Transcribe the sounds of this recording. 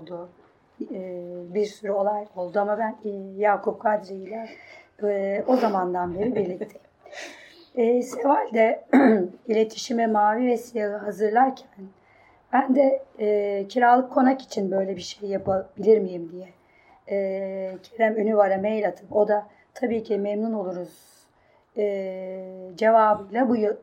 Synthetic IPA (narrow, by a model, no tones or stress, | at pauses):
olˠd̪ʊ | biɾsyɾyo̞lˠajo̞lˠd̪uamabænjaːkʰup̚kʰad̪ɾeilʲɛ | o̞zamand̪anbeɾibiɾlʲict̪ʰɛ̥ | se̞valʲd̪ɛ | ilʲet̪ʰi̥ʃimɛmaːvivɛsijaɣɯɦazɯɾlˠaɾcʰæn | b̥ænd̪ɛ | cʰiɾaːlˠɯkʰːo̞naki̥t͡ʃʰinbø̞jlʲɛbiʃejːapʰabilʲiɾmijimd̪ijɛ | cʰeɾɛmønyvaɾamejlʲat̪ʰɯmo̞d̪a | t̪ʰabiːcʰimemnuno̞lˠuɾuz̥ | ɯ | d͡ʒe̞vaːbɯjlˠabujɯlˠ